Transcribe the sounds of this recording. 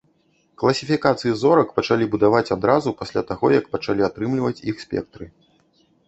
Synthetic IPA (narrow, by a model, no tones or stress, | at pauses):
klˠɐsʲifʲikat̪sɨjizɔɾɐkpɐt͡ʂalʲibud̪avat͡sʲad̪ɾazupasʲlʲat̪aɣɔjɐkpɐt͡ʂalʲiat̪ɾɨmlʲivɐt͡sʲixsʲpʲɛ̰k̚t̪ɾɨ